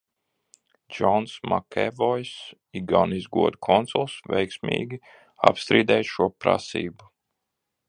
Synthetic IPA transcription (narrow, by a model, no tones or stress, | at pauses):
d͡ʒɔnsma̰kɛvɔjs | iɡanizɡuɔd̪ukʰɔnsɔlˠsvɛ̰jksmʲḭːɡʲi | a̰pst̪ɾiːd̪ɛjʃuɔpɾa̰sḭːbu